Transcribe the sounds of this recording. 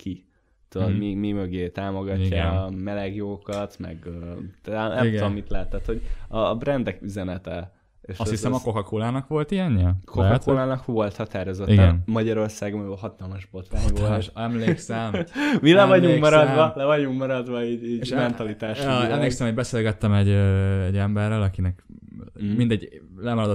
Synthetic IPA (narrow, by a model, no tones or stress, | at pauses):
kʰi | t̪ud̪od̪mimimøɡeːt̪aːmo̞ɡɒːamɛlɛɡjoːkɒt̪mɛ̰ɡøt̪ɛnɛmud̪omːit̪lɛːt̪ɛt̪hoɟɒbɾɛnd̪ɛkyzɛnɛt̪ɛ | eːʃshisɛmɒkokɒkoːlaːnɒkʋo̞lt̪iɛɲːɛkokɒtkoːlaːnɒkʋo̞lt̪hɒt̪aːɾozot̪iɡɛnmɒɟɒɾo̞rsaːɡmlɦɒt̪ɒlmɒʒbot̪ʋaoʃɛmleːksɛmmilɛvɒuŋmɒɾɒd̪vɒlɛvɒɟuŋkmɒɾɒd̪ʋɒiːɟiːɟeʃmɛntt̪ɒlit̪aːʃɛmleːksɛmho̞ɟbɛseːlɡɛt̪ːɛmɛɟɛɟɛmbɛrːøːlɒkinɛk | mind̪ɛɟlɛmɒɾɒd̪o